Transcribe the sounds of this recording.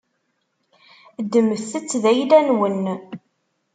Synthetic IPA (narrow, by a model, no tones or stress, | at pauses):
d̪ːəməθθət͡sːðæjlænwən